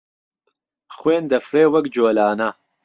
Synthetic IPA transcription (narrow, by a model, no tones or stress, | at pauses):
xweːnd̪ɐfɾeːwɐɡd͡ʑoːlɑːna